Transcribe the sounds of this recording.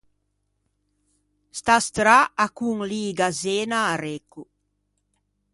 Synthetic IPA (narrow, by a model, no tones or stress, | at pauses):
st̪ast̪ɾaakuŋliːɡazeːnaːɾeku